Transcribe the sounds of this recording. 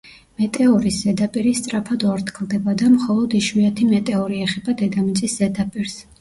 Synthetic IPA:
mɛt̪ʼɛɔɾisɛd̪apʼiɾist̪sʼɾapʰad̪uaɾt̪ʰkʰlˠd̪ɛbad̪amχɔlˠɔd̪iʃwiat̪ʰimɛt̪ʼɛɔɾiɛχɛbad̪ɛd̪amit̪sʼiszɛd̪apʼiɾs

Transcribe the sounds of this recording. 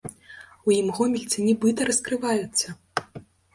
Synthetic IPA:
ujimɣɔmʲilʲt̪sʲɐnʲɛbɨt̪ɐɾɐskɾɨvajut̪sːɐ

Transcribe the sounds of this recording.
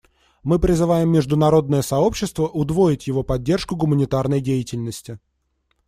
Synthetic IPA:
mɨpɾʲɪzɨvajɪmːʲɪʐd̪ʊnɐɾo̞d̪nəjəsɐo̞pɕːɪst̪vəʔʊd̪vo̞ɪtʲjɪvo̞pɐdʲːe̞rʂkʊɡʊmənʲɪt̪arnəjdʲejɪtʲɪlʲnəsʲtʲɪ

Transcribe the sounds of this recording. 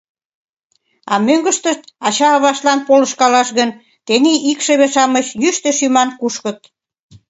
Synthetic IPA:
ɑ̰møŋɡə̆ʃt̪əʃt̪̚ɑt͡ɕɑːβɑʃlɑnpolə̆ʃkɑlɑʃɣən | t̪eniʔikʃeβeʃɑməɕjyʃt̪ĕʃymɑnkuʃkə̆t̪̚

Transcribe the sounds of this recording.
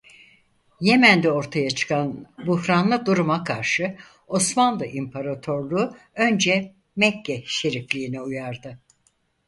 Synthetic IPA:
je̞mænd̪ɛo̞ɾt̪ʰajat͡ʃʰɯ̥kʰanbuhɾanlˠɯd̪uɾumakʰaɾʃɯ | o̞smanlˠɯʔimpʰaɾat̪ʰo̞ɾlˠuː | ø̞nd͡ʒɛ | mɛcʰːɛʃe̞ɾiflʲiːniujaɾd̪ɯ

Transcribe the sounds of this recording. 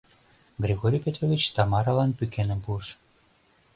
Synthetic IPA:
ɡɾʲiɣoɾʲijpʲet̪rovʲit͡ɕt̪ɑmɑɾɑlɑnpykenə̆mpuəʃ

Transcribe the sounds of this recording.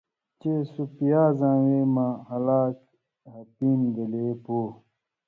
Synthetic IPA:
t͡ɕesupijaːzãːweːmãhɐlaːk | ɦɐpiːnd̪eleːpoː

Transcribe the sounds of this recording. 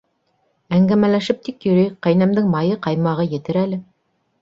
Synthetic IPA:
æŋɡæmælæʃɘp̚t̪ikjɵ̆ɾɵjqæjnæmd̪ɘŋmɑjɤqɑjmɑʁɤjɘ̆t̪ɘɾælɘ

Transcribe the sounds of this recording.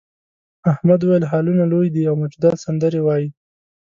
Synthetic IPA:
ahmad̪wajəlɦɑlunalojd̪iawmʊd͡ʒd̪asand̪əɾewɑji

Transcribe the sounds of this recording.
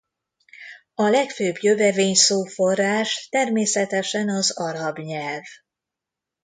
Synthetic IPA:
ɒlɛkføːbjøvɛveːɲsoːforaːʃt̪ɛrmeːsɛt̪ɛʃɛnɒzɒɾɒbɲɛlv

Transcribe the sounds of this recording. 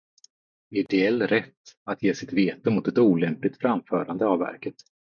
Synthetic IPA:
ɪd̪ɛɛlːɾɛt̪ːat̪jeːsɪt̪veːt̪əmʊt̪ɛt̪uːlɛmplɪt̪fɾamfœːɾand̪əavvæ̰ɾkət̪

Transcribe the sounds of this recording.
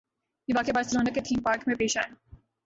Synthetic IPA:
ibaːkebaːɾst̪ɾõːnɐket̪ʰĩːmpaːɾkmẽpeːʃa̰ːj

